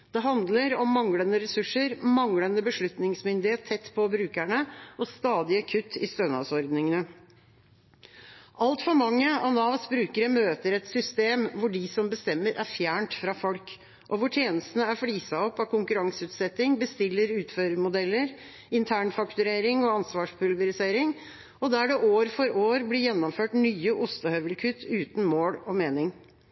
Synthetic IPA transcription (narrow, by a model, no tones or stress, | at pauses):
d̪̥ɛɦɑnd̪ləɾɔmːɑŋlənəɾɛsʉʂəɾmɑŋlənəbəʂɭʉt̪nɪŋsmʏnd̪ɪheːt̪ʰːɛt̪ːpʰɔbɾʉːkæɳəʔɔst̪ɑːd̪ɪəkʰʉt̪ʰːɪ̰st̪ønɑ̰ʋsɔɾd̪nɪŋənə | ʔɑlt̪fɔɾmɑŋːəɑnɑːʋsbɾʉːkəɾəmøːt̪əɾɛt̪sʏst̪eːmʋʊɖɪsɔmbəst̪ɛmːəɾʔæɾfjæːɳʈfɾɑfɔlk | ʔɔʋʊʈʰjeːnəst̪nəæɾfliːsɑɔpːɑkʰʊŋkʉɾɑŋsəʉːt̪sɛt̪ːɪŋbəst̪ɪlːəɾʉːt̪føːɾəɾmʊd̪ɛlːəɾ | ɪnt̪ʰæːɳfɑkt̪ʉɾeːɾɪŋɔɑnsʋɑːʂpʰʉlʋəɾɪseːɾɪŋ | ɔd̪æɖɛʔoːɾfɔɾʔoːɾblɪjɛnːɔmføːʈnyːəʔʊst̪əhœʋəlkʰʉt̪ʰːʉːt̪nmoːɽɔmeːnɪŋ